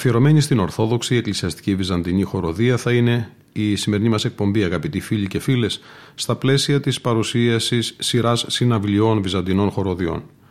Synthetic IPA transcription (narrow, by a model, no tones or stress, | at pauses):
fieɾo̞me̞ɲist̪ino̞ɾθo̞ðo̞ksiːeklisiɐst̪i̥civizɐnd̪iɲixo̞ɾo̞ðiɐθɐine̞ | isime̞ɾinimɐse̞k̚po̞mbiɐɣɐpit̪ifiʎice̞file̞sːt̪ɐple̞siɐt̪ispɐɾusiɐsisːiɾɐsːinɐvlio̞nvizɐnd̪ino̞nxo̞ɾo̞ðio̞̰n